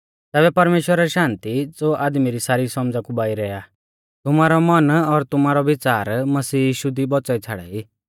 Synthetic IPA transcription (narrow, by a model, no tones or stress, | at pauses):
t̪ɛːβɛpɐɾmeːʃwəɾaɛʃãːnt̪id͡zoʔaːd̪miɾisaːɾisɔmd͡zakubaːiɾɛa | t̪ʊmaːɾɔmɐnɔɾt̪ʊmaːɾɔʋɪt͡saːɾmɐsiːjiːʃud̪ibɔt͡sait͡sʰaɽɛ̰iː